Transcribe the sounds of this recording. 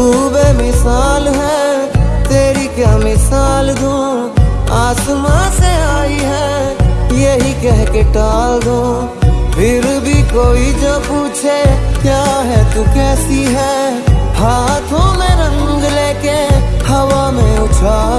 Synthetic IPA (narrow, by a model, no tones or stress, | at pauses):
uːbemɪsaːlɦɛ | t̪eːɾikjaːmɪsaːld̪ũː | aːsmãseaːiɦɛ | jeɦikɛɦkeʈaːld̪ũː | pʰɪɾbʱikoːid͡ʒãpuːt͡ʃʰekjaːɦɛt̪ukɛːsiɦɛːhaːt̪ʰõmẽɾə̃ŋɡleːkehɐʋamẽʊt͡ʃʰaː